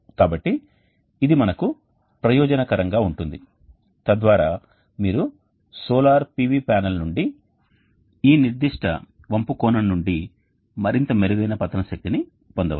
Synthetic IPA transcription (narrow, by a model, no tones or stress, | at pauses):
kaːbɐʈːiː | d̪imɐnɐku | pɾɐjɔːd͡ʒɐnɐkɐɾɐŋɡaːuɳʈund̪i | t̪ɐd̪ʋaːɾaː | miːɾu | sɔːlaːɾpiʋipaːnɐlnuɳɖi | iːniɾd̪iʂʈɐ̰ | ʋɐmpukɔːnɐmnuɳɖi | mɐɾint̪ɐmeɾuɡɐjnɐpɐt̪ːɐnɐʃɐk̚t̪ini | pond̪ɐʋ